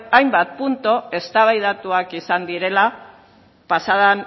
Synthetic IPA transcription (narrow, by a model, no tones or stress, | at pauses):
ajmbat̪̚punt̪oe̞st̪aβajð̞at̪uakisand̪iɾe̞la | pasaðan